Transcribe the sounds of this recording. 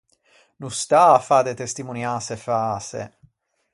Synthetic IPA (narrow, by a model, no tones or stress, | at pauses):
nust̪aafaːd̪et̪est̪imunjaːsefaːsḛ